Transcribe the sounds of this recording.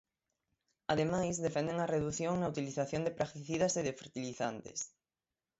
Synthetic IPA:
aðemajzðefɛnd̪eŋɐreðuθjoŋnaut̪iliθaθjond̪epɾakt̪iθiðɐseðefeɾt̪iliθant̪ḛs

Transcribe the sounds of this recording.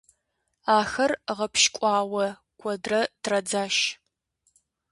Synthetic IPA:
aːxɐrʁɐpʃkʷʼɑːwɐ | kʷʰʼɔdrɐtʰrɐd͡zaːʃ

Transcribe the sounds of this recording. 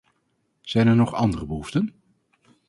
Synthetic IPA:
z̥ɛjnɛɹnɔχɑndərəbəɦuftən

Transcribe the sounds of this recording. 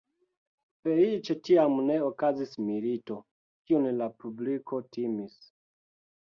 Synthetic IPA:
fe̞lit͡ʃe̞tiamne̞okazismilito̞ | kiunlapublikʰo̞timis

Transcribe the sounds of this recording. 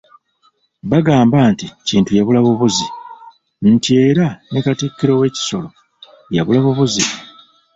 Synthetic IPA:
βaɡaːmbaːnticiːntujaβulaβoβuzi | n̩tie̞ːɾanekatikːiɾo̞we̞ːci̥so̞lo̞ | jaβulaβoβuzi

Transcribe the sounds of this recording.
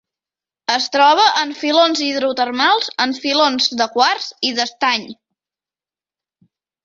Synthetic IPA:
əst̪ɾɔβ̞əʔəɱfilonziðɾut̪ərmalˠzəɱfilonzd̪əkwarziðəst̪aɲ

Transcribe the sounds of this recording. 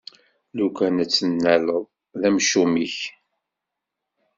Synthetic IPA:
lukʷænət͡sːənːæləðˤ | ðæmʃumiç

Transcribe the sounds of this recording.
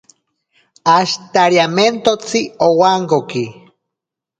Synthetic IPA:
aʃt̪aɾjament̪ot͡siowaŋɡoki

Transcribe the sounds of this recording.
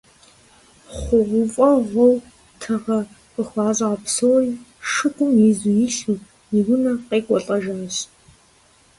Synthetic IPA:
χʷʊʁʷʊfʼɐʁʷɔw | tʰɐʁɐ | qəxʷɑːzɐɐpsoːriːʂɨkʷʼʊmjizujiɬɨ | jiwʊnɐqeːkʷʼɔɬʼɐʒaːɕ

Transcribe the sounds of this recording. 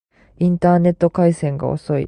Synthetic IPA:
ĩnt̪aːne̞t̪ːo̞kaisẽ̞ŋɡa̰o̰so̞ḭ

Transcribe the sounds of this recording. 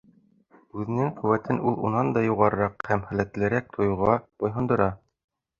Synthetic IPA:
ʉðɘ̆nɘŋqʉ̆wæt̪ɘnʔulˠṵnɑnd̪ɑjuʁɑɾɤ̆ɾɑqhæmχæ̆læt̪lɘ̆ɾæk̚t̪ʰŏjŭʁɑb̥ɒjɦɤ̆nd̪ɤ̆ɾɑ

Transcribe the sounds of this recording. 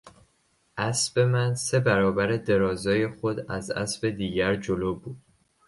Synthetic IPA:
ʔæsbe̞mænse̞bæɾɒːbæɾed̪e̞ɾɒːzɒːje̞xo̞d̪æzæ̰sbe̞d̪iːɟæɾd͡ʒoloːbuːd̪̥̚

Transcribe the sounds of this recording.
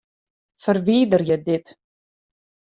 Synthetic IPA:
fərviːdərjədɪt

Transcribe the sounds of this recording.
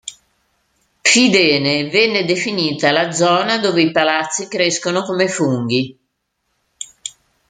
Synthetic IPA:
fid̪ɛːnevɛnːed̪efiniːt̪alad̪zɔːnad̪oːveipalat̪sːikɾeskonokomefuŋɡ̟i

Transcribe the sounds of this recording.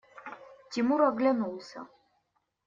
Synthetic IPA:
tʲimuɾaɡlʲanulˠsʲɐ̰

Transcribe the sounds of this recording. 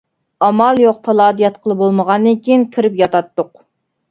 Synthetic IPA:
ɑmɑlˠjoq̚t̪ʰɑlˠɑːd̪ijɛt̪qʰəlˠɨbolˠməʁɑnd̪ɨkʲʰiinkʲʰiɾɪpjɑt̪ɑt̪ːʊq

